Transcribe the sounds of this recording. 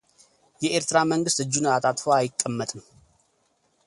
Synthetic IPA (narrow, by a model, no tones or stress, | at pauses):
jɛʔeɾt̪ɨɾaməŋɡɨst̪ɨd͡ʒːunat̪ʰat̪foaːjɪkʼːəmːət̪ʼn